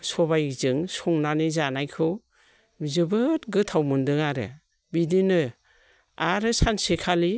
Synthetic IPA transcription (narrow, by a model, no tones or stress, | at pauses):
sɔβajzɯŋsɔŋnanizanajkʰɯw | zɯbɯtɡɯtʰawmɯndɯŋaɾɯ̰ | bidinɯ | aɾɯsansekʰali